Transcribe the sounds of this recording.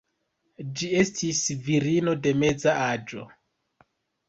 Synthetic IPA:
d͡ʒie̞stʰisviɾino̞de̞me̞d͡zaad͡ʒo̞̰

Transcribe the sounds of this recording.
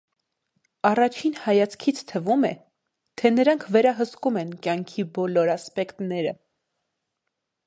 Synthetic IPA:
ɑrɑt͡ʃʰinhɑjɑt͡sʰkʰit͡sʰt̪ʰəvumɛ | t̪ʰɛnəɾɑŋkʰvɛɾɑɦəskumɛnkjɑŋkʰibɔlɔɾɑspɛkt̪nɛɾə

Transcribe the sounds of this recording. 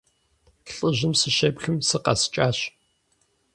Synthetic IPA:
ɬʼɨʑɪmsɨɕeːpxɨmsɨqɐ̰st͡ʃʼaːɕ

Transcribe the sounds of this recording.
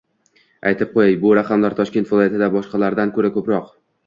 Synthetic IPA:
ʔajt̪ʰɪp̚qʰojajbʊɾaqʰɑmlaɾt̪ʰɒʃkʲe̞nt̪vɪlˠɒjat̪ʰɪd̪abɒʃqɑlaɾd̪ankʰɵɾakʰɵpɾɒq

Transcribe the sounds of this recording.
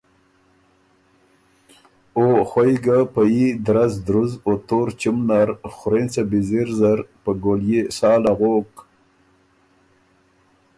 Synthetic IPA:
oxwajɡapajid̪ɾazd̪ɾuzot̪oɾt͡ʃimnaɾxʊɾent͡sabiziɾzaɾpəɡoljesɑːlaɣok

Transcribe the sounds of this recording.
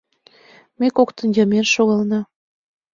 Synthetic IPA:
mekokt̪ə̆njɑmenʃoɣɑlnɑ

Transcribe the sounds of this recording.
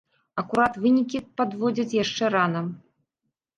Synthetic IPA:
ɐkuɾat̪vɨnʲikʲipad̪vɔd͡zʲɐt͡sʲjaʂt͡ʂɛɾanɐm

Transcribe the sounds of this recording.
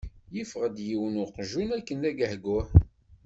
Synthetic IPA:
jəfʁəd̪jiwənʊqʒunækːənæɡəhɡʊħ

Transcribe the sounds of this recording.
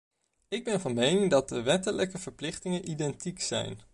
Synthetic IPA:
ɪɡ̚bɛnvɑnmejnɪŋdɑt̚dəʋɛtələkəv̥əɹplɪχtɪŋənʔidɛntiksɛ̰jn

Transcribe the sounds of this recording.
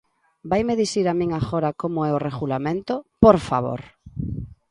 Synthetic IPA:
bajmeðisiɾamĩŋaxoɾakomoɛoreɣulamẽnt̪opoɾfa̰βo̰ɾ

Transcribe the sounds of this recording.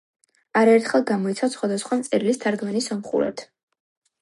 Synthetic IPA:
aɾaɛɾt̪ʰχɛlˠɡamɔit̪sʰasχwad̪asχwamt̪sʼɛɾilist̪ʰaɾɡmanisɔmχṵɾɛ̰t̪ʰ

